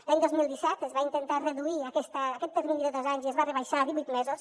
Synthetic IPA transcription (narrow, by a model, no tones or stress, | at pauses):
laɲd̪ozmilˠd̪isɛt̪əzβaint̪ənt̪arəðuiakɛst̪əːkɛt̪ːəɾminiðəðozaɲziəzβarəβaʃaðiβujt̪mɛzos